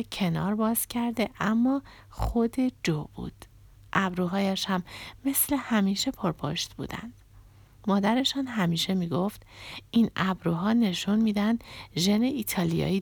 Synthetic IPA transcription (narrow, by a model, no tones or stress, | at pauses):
cʰe̞nɒ̰ːɾbɒːz̥cʰæɾd̪e̞ʔæmːɒː | xod̪e̞d͡ʒob̥ṵd̪̥ | ʔæbɾuːɦɒːjæʃhæmːe̞sle̞hæmiːʃe̞pʰoɾpʰo̰ʃt̪bṵːd̪æ̰nd̪̥ | mɒːd̪æɾe̞ʃɒːnɦæmiːʃe̞miːɡo̞ft̪inæbɾuɦɒːne̞ʃunmiːd̪ænd̪ʒeneiːt̪ʰɒːlijɒ̰ːiː